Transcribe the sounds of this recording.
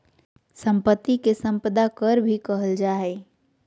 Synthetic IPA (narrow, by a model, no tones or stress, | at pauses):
sə̃mpət̪ːikesə̃mpəd̪akəɾbʱikəɦəld͡ʒaːɦɛː